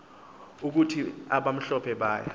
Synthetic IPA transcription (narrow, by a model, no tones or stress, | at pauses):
uk̬utʰiaɓam̩ɬɔpʰɛɓaːja̰